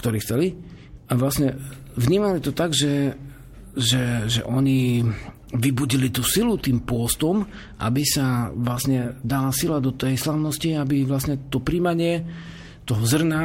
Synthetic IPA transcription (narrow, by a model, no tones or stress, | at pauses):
kt̪ɔɾiːxt͡sɛli | ʔaʋlasɲɛ | vɲiːmalit̪ɔt̪aɡʒɛ | ʒɛʒɛ̰ʔɔɲi | ʋibuɟilit̪uːsilut̪iːmpʊɔst̪ɔm | ʔa̰bisaʋlasɲɛd̪alasilad̪ɔt̪ɛjslaʊnɔsciabiʋlasɲɛt̪ɔpɾiːmaɲɪɛ | t̪ɔɦɔzr̩na